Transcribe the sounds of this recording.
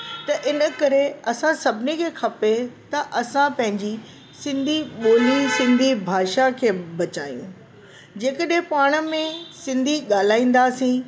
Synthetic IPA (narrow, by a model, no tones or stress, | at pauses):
t̪ɐʔɪnə̆kɐɾeɐsãsɐbʱɪnikʰeːxʰɐpet̪ɐʔɐsãpɐ̃ɦɪ̃ɲd͡ʑi | sɪ̃nd̪ʱiɓoːlisɪ̃nd̪ʱibʱaːʃakʰeːbɐt͡ɕaːjṵ̃ | d͡ʑeːkəɗɦẽpaːɽ̃ə̆mẽsɪ̃nd̪ʱiɠaːl̤aːĩːn̆d̪asĩː